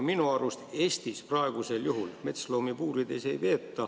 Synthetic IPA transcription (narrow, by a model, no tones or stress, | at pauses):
minuɑɾust̪e̞ːst̪isprɑe̞ɡ̥use̞ljuɦulme̞t̪slo̞ːmipuːɾid̪̥e̞se̞jve̞ːt̪ːɑ